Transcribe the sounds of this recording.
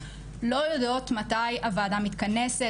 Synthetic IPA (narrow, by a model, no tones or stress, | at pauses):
lo̞jod̪o̞t̪mat̪ajʔavad̪amit̪kanese